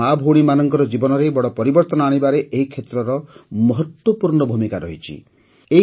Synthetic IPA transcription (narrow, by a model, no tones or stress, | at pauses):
abʱoɽ̃imanɔŋkɔɾɔd͡ʒibɔnɔɾebɔɽɔpɔɾibɔɾt̪ɔnɔaɽ̃ibaɾeʔeɦikʰet̪ɾɔɾɔmɔɦɔt̪wɔpuɾɳɔbʱumikaɾɔɦit͡ʃʰḭ | e